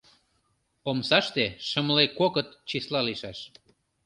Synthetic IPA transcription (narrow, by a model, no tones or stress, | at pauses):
omsɑʃt̪eʃəmlekokət̪t͡ɕislɑliʃɑʃ